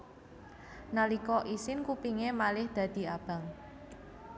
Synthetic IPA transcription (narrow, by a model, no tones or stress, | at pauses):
nalikɔʔisɪnkupiŋemalɪhd̪̥ä̤d̪̥i̤ab̥a̤ŋ